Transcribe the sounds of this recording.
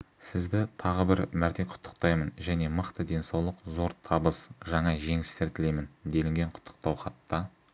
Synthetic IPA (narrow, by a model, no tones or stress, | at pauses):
sɪzd̪ɪt̪ʰɑʁəbɪɾmæɾt̪e̞jqʰʊ̥t̪ʰːə̥q̚t̪ɑjmənʒæne̞məqt̪əd̪e̞nsɑwlˠəqzo̞ɾt̪ʰɑbəsʒɑɴɑʒe̞ŋɪst̪eɾt̪ʰɪle̞jmɪnd̪e̞lɪŋɡʲe̞ɴqʰʊ̥t̪ʰːə̥q̚t̪ɑwχɑt̪ːɑ